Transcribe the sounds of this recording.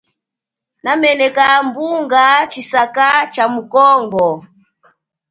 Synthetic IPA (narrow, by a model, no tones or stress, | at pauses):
namɛnɛkambuŋɡat͡ʃisakat͡ʃamukɔŋɡɔ